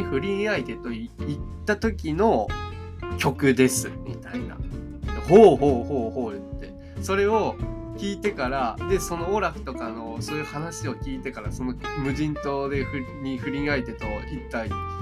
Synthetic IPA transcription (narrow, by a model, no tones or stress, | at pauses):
ɸɯ̟ɾʲĩɰait̪e̞t̪o̞iit̪ːat̪o̞kʲino̞ | kʲo̞kɯ̟d̪e̞sɨmʲḭt̪aina̰ | hoːɦo̞ːhoːho̞ːɯt̪ːe̞ | so̞ɾe̞o̞ | kʲiːt̪e̞kaɾad̪e̞so̞no̞ːɾaɸɯ̟̥t̪o̞kano̞so̞ːjɯ̟hanaɕio̞kʲiːt̪e̞kaɾaso̞no̞mɯ̟ʑĩnt̪o̞d̪e̞ɸɯ̟ɲ̟iɸɯ̟ɾʲĩait̪e̞t̪o̞it̪ːai